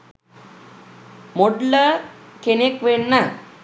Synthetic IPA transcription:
moɖləkenekʋeɳna

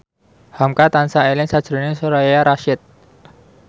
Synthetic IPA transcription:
hamkat̪ansaelɪnsad̥ʒ̥ɾonɪsoɾajaɾaʃɪt̪̚

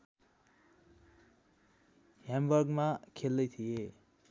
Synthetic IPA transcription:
ɦjambʌrɡmakʰeld̪ʌjt̪ʰije

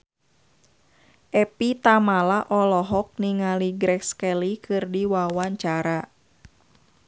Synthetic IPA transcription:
ʔɛpit̪amalaʔɔlɔɦɔk̚niŋaliɡɾɛkskɛlikɨrdiwawaɲt͡ʃaɾa

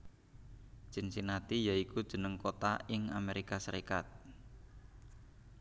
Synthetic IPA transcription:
ʒ̥ə̤nsinat̪ijaikud̥ʒ̥ə̤nəŋkot̪aɪŋameɾikasəɾikat̪̚

